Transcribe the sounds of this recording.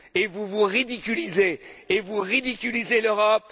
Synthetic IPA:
evuvuʁid̪ikʲylizeːvuʁid̪ikʲylizeløʁɔp̚

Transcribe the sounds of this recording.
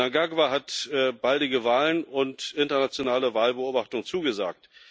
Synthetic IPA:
aŋɡaɡvaɦatːb̥aldɪɡəvaːlənʊntʔɪntɐnat͡sjonaːləvaːlbəʔoːbaχtʊŋt͡suːɡəza̰ːk̚t

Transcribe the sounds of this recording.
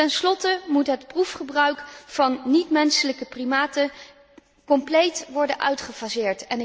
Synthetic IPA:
tɛnslɔtəmutɦətprufχəbrœɥkfɑnːitmɛnsələkəprimaːtə | kɔmplejtʋɔɹdənʔœ̰ɥtχəvazɪːɹtɛn

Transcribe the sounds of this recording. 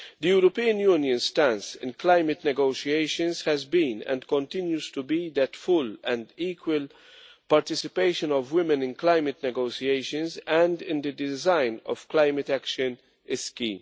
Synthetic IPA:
d̪əjuɾɔpiːə̃njuːnjə̃nstæ̃nsɪ̰̃nklãɪmɨtnɛɡoʊʃieɪʃə̃nshɛzbĩnɛ̰̃ndkɔ̃ntɪ̃njuz̥tubid̪ætfʊlɛ̃ndiːkwəl | paɾt̪ɪsɪpeɪʃə̃nɔvwɪmɛ̃nɪ̃nklaɪmɨtnɛɡoʊʃieɪʃə̃nzæ̃ndɪ̃nd̪ədɪzãɪ̃nɔ̰v̥klaɪmətækʃə̃n | ɛskḭ̃ːm

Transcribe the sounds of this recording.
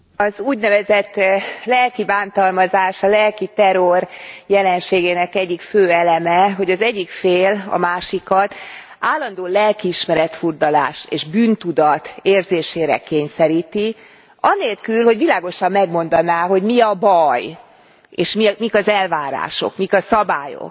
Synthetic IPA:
ɒzuːɟnɛvɛzɛt̪ːlɛlkibaːnt̪ɒlmɒzaːʃɒlɛlkit̪ɛɾo̞rjɛlɛnʃeːɡeːnɛkɛɟːikføːɛlɛmɛɦo̞ɟɒzɛɟːikfeːlɒ̰maːʃikɒt̪ | ʔaːlːɒnd̪oːlɛlkiːʃmɛɾɛt̪furd̪ɒla̰ːʃeːʒbyːnt̪ud̪ɒt̪eːrzeːʃeːɾɛ̰keːɲsɛɾiːt̪i | ɒneːlkylho̞ɟʋilaːɡo̞ʃɒmːɛɡmo̞nd̪ɒnaːɦo̞ɟmiɒbɒj | eːʃmimikɒzɛlvaːɾa̰ːʃo̞̰kmikɒsɒbaːjo̰k̚

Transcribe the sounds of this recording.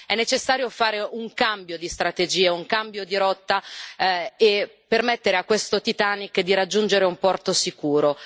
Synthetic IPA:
ɛnːet͡ʃesːaːɾjofaːɾeʔuŋkambjod̪ist̪ɾat̪ed͡ʒiːeuŋkambjod̪iɾɔt̪ːa | epːermɛt̪ːeɾeakːwest̪ot̪it̪anikd̪iɾad͡ʒːund͡ʒeɾeumpɔrt̪osikuːɾo

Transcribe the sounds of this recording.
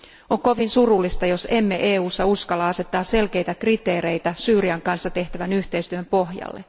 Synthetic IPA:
oŋko̞ʋinsurulːist̪ɑjo̞se̞mːeʔeːuːsːɑuskɑlːɑɑse̞t̪ːɑːsse̞lke̞jt̪ækrit̪e̞ːre̞jt̪æsyːriɑŋkɑnsːɑt̪e̞ht̪æʋænyht̪e̞jst̪yømpo̞ɦjɑ̰lːḛ

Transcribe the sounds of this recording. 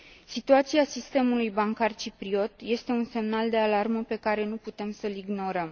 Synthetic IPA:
sit̪uat̪siasist̪e̞mulujbaŋkart͡ʃipɾio̞t̪je̞st̪e̞unse̞mnald̪e̞alarməpe̞kaɾe̞nuput̪e̞msəliɡno̞ɾəm

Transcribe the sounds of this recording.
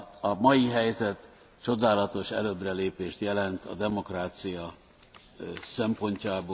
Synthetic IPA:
ɒmɒjiɦɛjzɛt̪ | t͡ʃo̞d̪aːlɒt̪o̞ʃɛ̰løːbrɛleːpeːʃt̪jɛlɛnt̪ʰɒ̰d̪ɛmo̞kraːt̪sijɒ | sɛmpo̞ɲcaːboː

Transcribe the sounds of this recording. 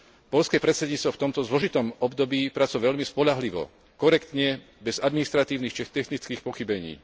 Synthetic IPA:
pɔlʎskɛːpɾɛt̪sɛd̪ɲiːt͡st̪ʋɔft̪ɔmt̪ɔzlɔʒit̪ɔmɔbd̪ɔbiːpɾat͡sujɛʋɛʎmispɔʎaɦliʋɔ̰ | kɔɾɛkt̪ɲɛ | bɛzad̪minist̪ɾat̪iːʊnixt͡ʃɛt̪ɛxnit͡skiːxpɔxibɛɲḭː

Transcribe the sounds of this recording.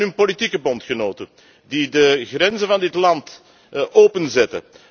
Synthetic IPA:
nynpolitikəbɔntxənoːtə | didəɣrɛnzənvɑndɪtlɑnt | ʔoːpənzɛtə̰

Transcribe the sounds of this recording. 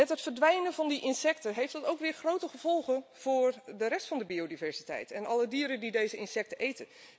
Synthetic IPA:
mɛtɦətfərdʋɛjnəvɑndiʔɪnsɛktəɦejftdɑtowkʋɪːɹχrowtəχəv̥ɔlˠχənv̥ʊːrdəɾɛstfɑndəbiodivɛɹsitɛ̰jtɛnɑlədiːəɾəndidejzəɪnsɛk̚təʔejtə

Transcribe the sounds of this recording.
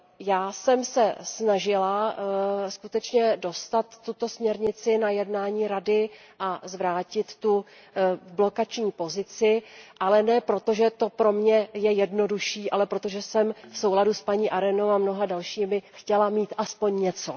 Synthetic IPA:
jaːsɛmsɛsnaʒɪla | skut̪ɛt͡ʃɲɛdo̞st̪at̪ːut̪o̞smɲɛɾɲɪt͡sɪnajɛdnaːɲiːɾadɪ | ʔazvɾaːcɪt̪ːu | blo̞kat͡ʃɲiːpo̞zɪt͡sɪʔalɛnɛːpɾo̞t̪o̞ʒɛt̪o̞pɾo̞mɲɛjɛjɛdno̞duʃiːʔalɛpɾo̞t̪o̞ʒɛsɛmfso̞wladuspaɲiːʔaɾɛnowamno̞ɦadalʃiːmɪxcɛlamiːt̪ʔaspo̞ɲɲɛt͡so̞̰

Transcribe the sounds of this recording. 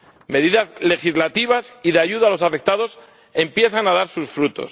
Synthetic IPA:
me̞ðiðazle̞xizlat̪iβasiðeaʝuðalo̞safe̞k̚t̪aðo̞s | e̞mpje̞θanaðaɾsusfɾut̪o̞̰s

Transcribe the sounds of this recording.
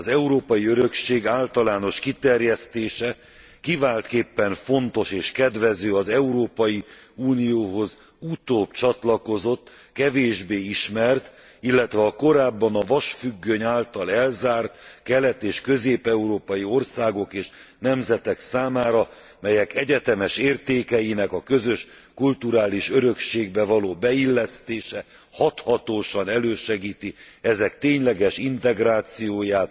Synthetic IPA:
ɒzɛuɾoːpɒjiøɾø̞kʃeːɡaːlt̪ɒlaːno̞ʃkit̪ɛrjɛst̪eːʃɛ | kivaːlt̪keːpːɛɱfo̞nt̪o̞ʃeːʃkɛd̪ʋɛzøːɒzɛuɾoːpɒjiuːnijoːɦo̞z | ut̪oːbt͡ʃɒt̪lɒko̞zo̞t̪ː | kɛveːʒbeːiʃmɛrt̪ | ilːɛt̪ʋɛɒko̞ɾaːbːɒnɒvɒʃfyɡːøɲaːlt̪ɒlɛlzaːrt̪kɛlɛt̪eːʃkø̞zeːpɛuɾoːpɒjio̞rsaːɡo̞keːʃnɛmzɛt̪ɛksaːmaːɾɒ | mɛjɛkɛɟɛt̪ɛmɛʃeːrt̪eːkɛjinɛkɒkø̞zø̞ʃ | kult̪uɾaːliʃøɾø̞kʃeːɡbɛvɒloːbɛilːɛst̪eːʃɛ | hɒt̪hɒt̪oːʃɒnɛløːʃɛɡiːt̪i | ɛzɛkt̪eːɲlɛɡɛʃint̪ɛɡɾaːt̪sijoːjaːt̪̚

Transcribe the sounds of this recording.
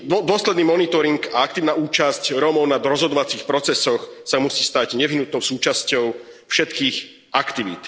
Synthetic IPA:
ɔd̪ʊɔslɛd̪niːmɔnit̪ɔɾiŋɡaak̚t̪iːʊnauːt͡ʃascɾɔmɔʊnad̪ɾɔzɦɔd̪ɔʋat͡sixpɾɔt͡sɛsɔxsamusiːst̪aɟɲɛʋiɦnut̪nɔʊsuːt͡ʃascɔʊ | fʃɛt̪kiːx | akt̪iʋḭt̪

